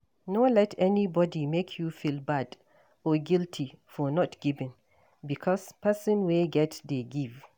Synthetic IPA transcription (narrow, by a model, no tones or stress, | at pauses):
nolɛtʰɛnibɔdimekʰjufilbad | ɔɡiltʰifɔnɔtɡ̥ivɪ̃n | bikʰɔspɛsɔ̃nweɡɛtdeɡiv